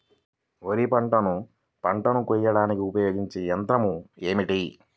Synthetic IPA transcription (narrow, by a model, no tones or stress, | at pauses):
oɾipɐɳʈɐnu | pɐɳʈɐnukujːɐɽaːnikiupɐjo̞ːɡiɲt͡ʃejɐnt̪ɾɐmueːmiʈi